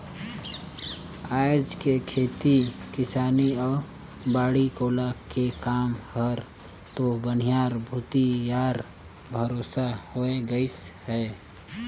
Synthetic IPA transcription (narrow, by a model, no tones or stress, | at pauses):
aːjd͡ʒkekʰeːt̪ikɪsaːniɔːɾ | baːɽikoːlakekaːmhəɾ | t̪obən̤ijaːɾbʱuːt̪ijaːɾ | bʱəɾoːsahoeɡəɪshɛː